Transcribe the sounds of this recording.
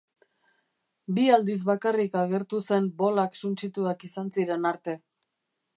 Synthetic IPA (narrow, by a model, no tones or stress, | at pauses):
biald̪iz̬βakarikaɣe̞ɾt̪use̞mbo̞laksunt͡ʃit̪uakisansiɾe̞naɾt̪e̞